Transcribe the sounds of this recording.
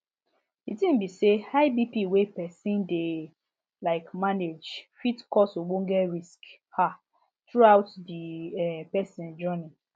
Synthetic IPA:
itĩm̩bisehaɪbipiwepɛsĩnde | laɪkmaned͡ʒfitkɔsoɡ͡bõŋ̩ɡɛɹisk | ha | tɹuaʊtdiɛpɛsĩnd͡ʒɔni

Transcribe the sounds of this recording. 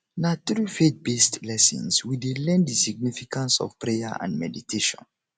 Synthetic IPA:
natɾifet̚bestlɛsḭ̃nswidelɛ̃ndisiɡ̚nifikãnsɔ̰v̥pɹejaʔã̰ndmɛditʰeʃɔ̰̃n

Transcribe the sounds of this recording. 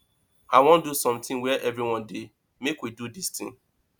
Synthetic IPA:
aɪwɔ̃ndusɔ̃mtɪ̃ŋwɛʔɛvɹiwɔ̃ndi | mekwidudistɪ̰̃ŋ

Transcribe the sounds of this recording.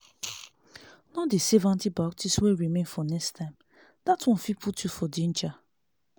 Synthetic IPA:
nɔdesɛvãntibaktʰisweɹimẽnfɔnɛkstãɪ̃m | d̥atwɔ̃nfipʰutʰjufɔdĩnt͡ʃa

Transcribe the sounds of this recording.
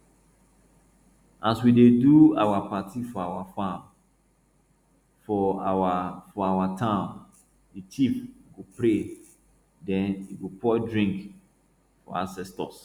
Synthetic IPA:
aswideduawapatʰifɔawafãm | fɔafɔawatʰãʊ̃n | ditʰifɡopɾe | dɛ̃niɡopɔɪdɹĩŋk | fɔ̰asɛstɔ̰s

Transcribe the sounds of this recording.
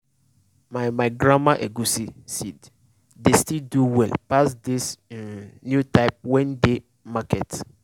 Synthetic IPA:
mãmãɡɾãmaʔɛɡusisid | destilduwɛlpasdɪs | njutʰaɪp̚wɛ̃nde | makʰɛt

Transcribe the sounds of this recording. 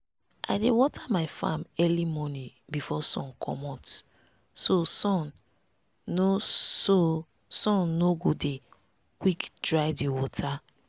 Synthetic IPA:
ʔa̰ɪdewɔtʰamaɪfã̰mɛlimɔnĩ | bifɔsɔ̰̃nkʰɔ̰mɔt | sosɔ̃nː | oso | sɔ̃nːoɡode | kwikdɹaɪdiwɔtʰa

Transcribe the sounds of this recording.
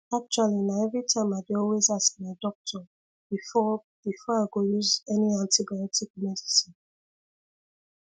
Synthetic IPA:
ak̚t͡ʃualinaɛvɹitʰãɪ̃maɪbiɔlwezasinadɔk̚tʰɔ | bifɔ | b̥ifɔaɪɡojuzɛniãntibajɔtik̚mɛdisĩn

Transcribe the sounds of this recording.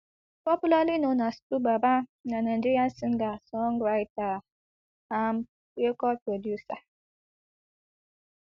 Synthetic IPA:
pɔpulalinonastubabananandijan̩siŋɡasɔŋɡɾajta | am | ekɔlpɾodjusa

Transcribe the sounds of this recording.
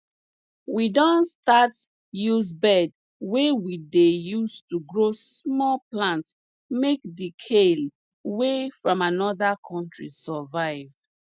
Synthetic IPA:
widɔ̃nstat | juzbɛd | wewidejustuɡɹosmɔlplãnts | mekdikʰel | wefɹɔ̃manɔðakʰɔ̃ntɹḭsɔvaɪv

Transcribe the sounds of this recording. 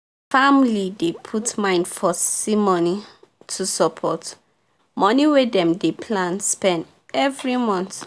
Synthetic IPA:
famlidepʰutmãɪ̃ndfɔsimɔnitʰusɔpʰɔt | mɔniwedɛ̃mdepʰlãnspɛ̃nd | ɛvɹimɔ̃nθ

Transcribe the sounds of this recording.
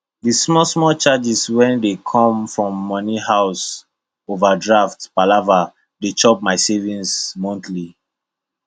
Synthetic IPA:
dismɔsmɔt͡ʃad͡ʒiswɛ̃ndekʰɔ̃mfɹɔ̃mːɔniɦaʊs | ovadɹaftpalava | det͡ʃɔp̚maɪsevĩnsmɔ̃ntli

